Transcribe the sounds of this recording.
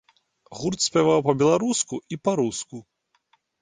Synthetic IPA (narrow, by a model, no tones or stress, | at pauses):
ɣurt̪sʲpʲavawpɐbʲɛlˠaɾuskuʔipaɾusku